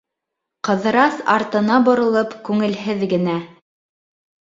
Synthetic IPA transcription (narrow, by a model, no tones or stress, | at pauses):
qɤ̆ðɤ̆ɾɑsɑ̰ɾt̪ɤ̆nɑbŏɾŏlˠɤpkʉŋɘ̆lɦɘðɡɘ̆næ